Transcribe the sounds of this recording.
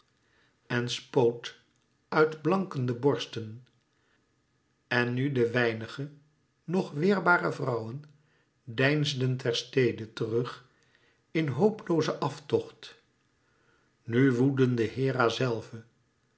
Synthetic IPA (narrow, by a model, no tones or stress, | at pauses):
ɛnspowt | œɥdblɑŋkəndəbɔɹstən | ɛnːydəʋɛjnəχə | nɔχʋɪːɹbaːrəvrɑwən | dɛjnzdəntɛɹstejdətərɵχ | ɪnɦowplowzəʔɑftɔχt | nyʋudəndəɦɪːraːzɛlˠvə